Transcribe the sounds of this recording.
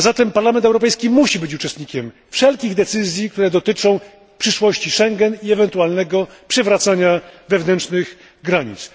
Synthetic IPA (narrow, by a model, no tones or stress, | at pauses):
zat̪ɛmpaɾlamɛnt̪ɛwɾɔpɛjskʲimuɕibɘt͡ɕut͡ʂɛst̪̚ɲikʲɛm | fʂɛlkʲiɣd̪ɛt̪sɘzʲjik̚t̪uɾɛd̪ɔt̪ɘt͡ʂɔ̃w̃ | pʂɘʂwɔɕt͡ɕiʂɛŋɡɛniɛvɛnt̪ualnɛɡɔpʂɛvɾat̪saɲavɛvnɛntt͡ʂnɘɣ | ɡɾaɲḭt̪s